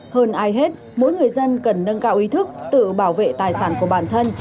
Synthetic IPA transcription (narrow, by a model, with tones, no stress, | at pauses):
həː˧nʔaː˨˧jɦe˦˥t̚ | mo˨˦jŋɨ˨˩əjzə˧nkə˨˩nːə˧nkaː˧wʔi˨˦t̪ʰɨ˦˥k̚t̪ɨ̰˧˨ɓaː˧˩wvḛ˧˨t̪aː˨˩jsaː˧˩nku˧˩əɓaː˧˩nt̪ʰə˧n